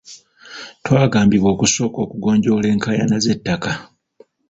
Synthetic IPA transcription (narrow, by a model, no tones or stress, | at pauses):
twaːɡaːmbiβo̞ːkuso̞ːko̞ːkuɡo̞ːɲɟo̞ːle̞ːŋkaja̰naze̞tːaka